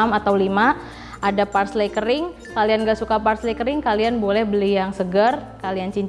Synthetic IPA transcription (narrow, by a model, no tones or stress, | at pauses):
mat̪awlima | ʔadaparslejkəɾɪŋ | kalianɡaʔsukaparslekəɾɪŋkalianbolɛhbəlijaŋsəɡərkaliant͡ʃiɲ